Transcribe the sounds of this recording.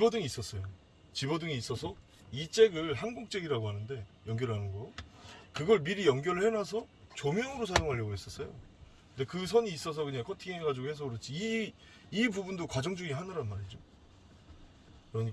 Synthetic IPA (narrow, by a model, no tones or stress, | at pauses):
ibʌdɯŋiːs͈ʌs͈ʌjo | t͡ɕibʌdɯŋiːs͈ʌsʰʌ | it͡ɕ͈e̞ɡɯɭɦanɡuk̚t͡ɕ͈e̞ɡiɾaɡoɦanɯnde̞jʌŋɡjʌɾɭhanɯnɡʌjokɯɡʌɭmiɾijʌŋɡjʌɾɯɭhe̞nas̬ʰʌt͡ɕomjʌŋɯɾosʰajoŋɦaʎːʌɡoɦes͈ʌs͈ʌjo̰kɯnde̞kɯs̬ʰʌɲiːs͈ʌs̬ʰʌkɯɲakʰʌtʰiŋeɦeɡad͡ʑiɡohe̞s̬ʰʌɯɾɯt͡ɕ͈iiː | bubundokwad͡ʑʌŋd͡ʑuŋiɦanʌɾanmaɾid͡ʑo | kɯɾʌɲik